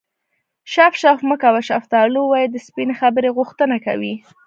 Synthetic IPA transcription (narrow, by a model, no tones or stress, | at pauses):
ʃafʃafməkawaʃaft̪ɑluwɑjid̪əspinexabəɾeɣʊxt̪ənaka̰wi